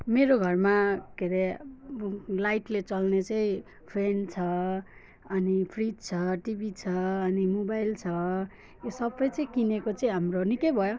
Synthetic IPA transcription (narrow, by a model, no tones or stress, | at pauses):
meɾoɡʱʌrmakeɾe | lajʈlet͡sʌlnet͡sʌĩ | pʰrent͡sʰʌ | ʌnipʰridt͡sʰʌʈibʱit͡sʰʌːnimobajlt͡sʰʌ | osʌbːʌjt͡sʌĩkinekot͡sʌĩɦamronikejbʱʌjo